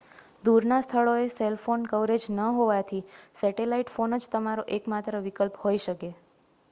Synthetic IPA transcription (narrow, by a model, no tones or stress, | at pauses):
d̪uɾnast̪ʰəɭoeselfonkəʋɾed͡ʒnəɦoʋat̪ʰisɛʈelaiʈfonəd͡ʒt̪əmaɾoʔekmat̪ɾəʋikəlphoiʃəke